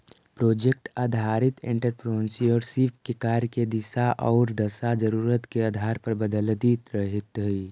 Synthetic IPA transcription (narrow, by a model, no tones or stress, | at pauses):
pɾoːd͡ʒek̚ʈaːd̪ʱaːɾɪt̪ẽɳʈəɾpɾoːɪ̃nsiɔːɾsiːpʰkekaːɾked̪ɪsaʔɔːɾd̪əsad͡ʒəɾuːɾət̪keaːd̪ʱaːɾpəɾbəd̪əld̪iːt̪ɾəɦɪt̪ɦi